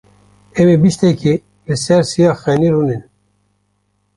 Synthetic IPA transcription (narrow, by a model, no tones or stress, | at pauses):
ɛmebiʃt̪ɛkʰi | lɨsɛɾsijɑːxɛniɾunin